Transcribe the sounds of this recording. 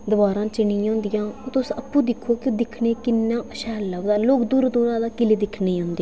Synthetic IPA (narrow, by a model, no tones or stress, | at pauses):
d̪əbaːɾãːt͡ʃɪɳĩːõːnd̪ɪjãːoːt̪ʊsəpːũːd̪ɪkʰːoːkod̪ɪkʰneːkɪnːãːʃɛːlːəʋd̪aːloːkd̪uːɾd̪uːɾãːd̪aːkɪleːd̪ɪkʰneːɦõːnd̪eãː